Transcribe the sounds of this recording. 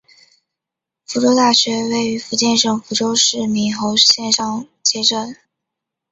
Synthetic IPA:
fu˧˥ʈ͡ʂo˥ʊt̪a˥˩ɕɥɛ˧˥we˥˩ɪy˧˥fu˧˥t͡ɕjɛ˥˧nʂɤ˥˩ŋfu˧˥ʈ͡ʂo˥ʊʂɻ̩˥˩mi˧˥nxo˧˥ʊɕjɛ˥˧nʂɑ˥˧ŋ | t͡ɕjɛ˥˧ʈ͡ʂə˥˩n

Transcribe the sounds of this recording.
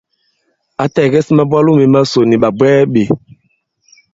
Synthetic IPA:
a˨tɛ˨ɡɛ˦si˦ma˦bwa˦lu˦me˨ma˦so˨ni˨ɓa˨bwɛː˦ɓe˨

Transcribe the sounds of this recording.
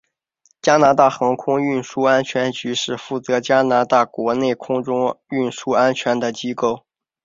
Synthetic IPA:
t͡ɕja˥na˧˥t̪a˥˩xɑ˧˥ŋkʰʊ˥ŋy˥˩nʂu˥a˥nt͡ɕʰɥɛ˧˥nt͡ɕy˧˥ʂɻ̩˥˧fu˥˩t͡sɤ˧˥t͡ɕja˥na˧˥t̪a˥˩kwɔ˧˥ne˥˩ɪkʰʊ˥ŋʈ͡ʂʊ˥ŋy˥˩nʂu˥a˥nt͡ɕʰɥɛ˧˥nd̪ə˨t͡ɕi˥ko˥˩ʊ

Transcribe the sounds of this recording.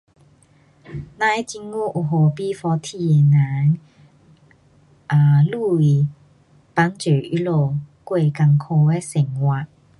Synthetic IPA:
nã˧jt͡ɕi˧ŋu˦ʔu˨˩ɦo˨˩pi˦fɔ˧t̪ʰi˧e˨na˨˦ŋ | ʔa˨lu˥˧i˨˩ | pa˧˥˦nt͡ɕø˨˩i˦lo˥˧˨kwe˥˧ka˧ŋkʰo˧e˦se˨˩ŋwa˧˨

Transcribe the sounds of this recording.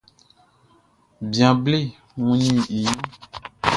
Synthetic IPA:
bjã˨ble˦˨ | ŋũ˦nĩ˦i˨jɔ̃˦

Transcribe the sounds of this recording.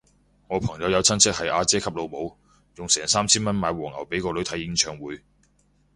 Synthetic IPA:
ŋɔː˨˧pʰɐ˨˩ŋjɐ˨˧wjɐ˨˧wt͡sʰɐ˥nt͡sʰɪ˥k̚hɐ˨jʔaː˧t͡sɛː˥kʰɐ˥p̚lo˨˧wmo˨˧w | jʊ˨ŋsɛː˨˩ŋsaː˥mt͡sʰiː˥nmɐ˥nmaː˨˧jwɔː˨˩ŋɐ˨˩wpe˨˥jkɔː˧lɵ˨˧ɥt̪ʰjɪ˨˧˥ŋt͡ʃʰœː˨˩ŋwuː˨˧j

